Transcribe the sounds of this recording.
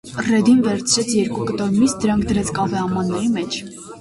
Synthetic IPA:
rɛd̪invɛɾt͡sʰɾɛt͡sʰjɛɾkukət̪ɔɾmisd̪əɾɑŋkʰd̪əɾɛt͡sʰkɑvɛɑmɑnːɛɾimɛt͡ʃʰ

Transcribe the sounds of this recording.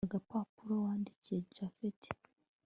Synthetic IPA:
ɡapapuɾowaːndicied͡ʒafetʰi̥

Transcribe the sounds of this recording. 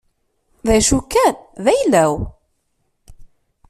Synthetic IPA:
ðæʃukːænðæjlːæw

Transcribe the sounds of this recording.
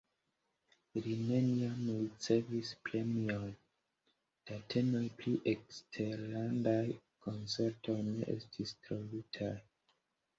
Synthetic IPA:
line̞niamult͡se̞vispɾe̞mion | d̥atʰe̞nojpliʔekstʰe̞ɾlandaj | ko̞nt͡se̞ɾtʰo̞jne̞̰ʔḛstʰistɾolutʰaj

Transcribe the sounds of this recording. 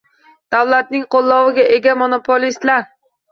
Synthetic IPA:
d̪̥awlat̪̚nɪŋqolˠːɒwɪɡʲae̞ɡʲamonopʰolist̪laɾ

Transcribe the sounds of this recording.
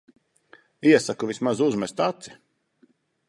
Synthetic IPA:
iɛsakuvʲismazuzmɛst̪at̪si̥

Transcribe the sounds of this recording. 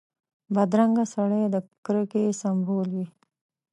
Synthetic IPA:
bad̪ɾaŋɡasaɽed̪əkɾəkesambolwi

